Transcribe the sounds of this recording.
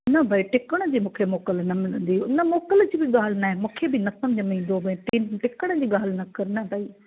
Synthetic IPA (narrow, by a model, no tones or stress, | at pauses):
nɐbʱaːiʈɪkəɽ̃əd͡ʑiːmũːkʰemɔːkəlnɐmɪlə̃nd̪iʊnɐmɔːkəld͡ʑiːbɪɠaːl̤naɦemũːkʰebɪnɐsɐmd͡ʑʱəmĩːn̆d̪obʱɐ̃ːʈiʈɪkəɽ̃əd͡ʑiːɠaːl̤nɐkɐɾnɐbʱaːi